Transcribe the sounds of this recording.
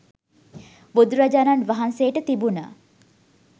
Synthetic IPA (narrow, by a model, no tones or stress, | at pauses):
bud̪ɾad͡ʒananʋɐɦansejəʈət̪ibunə